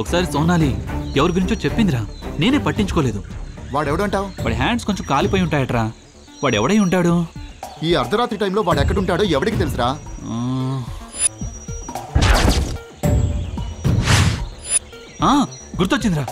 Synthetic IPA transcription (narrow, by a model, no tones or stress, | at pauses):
ɔkɐ̥saːɾisɔːnːaːlit̪ɛʋɐɾuɡuɾiɲt͡ʃoːt͡ʃepːind̪iɾaːne̞ːneːpɐʈːiɲt͡ʃu̥koːle̞ːd̪uʋaːɽɛʋɐɽuɐɳʈaːwuʋaːɽiɦaːɳɖsko̞ɲt͡ʃɐmkaːlipoːjuɳʈaːjɐʈɐɾaː | ʋaːɽɛʋɐɽɐjuɳʈaːɽu | iːɐɾd̪ʱɐɾaːt̪ɾiʈɐjmlo̞ːʋaːɽɛkːɐɽuɳʈaːɽoːɛʋɐɽikit̪elis̬iɾaː | aː | ɡuɾt̪ːot͡ʃːind̪iɾaː